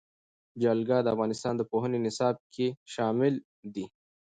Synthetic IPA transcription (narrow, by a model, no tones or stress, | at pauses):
d͡ʒalɡɑd̪əafɣɑnɪst̪ɑːnd̪əpoɦənenɪsɑːb̚kʰeʃɑːmɪl | d̪i